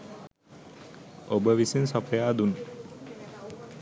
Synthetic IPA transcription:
obəʋisinsɔpʰəjaːd̪un

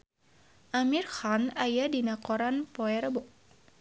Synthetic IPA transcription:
ʔamirxanajadinakɔɾanpɔɛɾbɔʔ̚

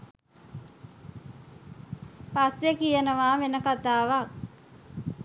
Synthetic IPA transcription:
pasjekijənəʋaːmenəkat̪aːʋak̚

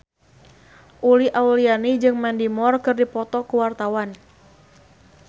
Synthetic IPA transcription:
ʔuliʔaulianid͡ʒɨŋmandimɔrkɨrdipɔt̪ɔkuwart̪awan

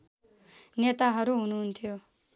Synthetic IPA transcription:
net̪aɦəɾuɦunuːnt̪ʰijo

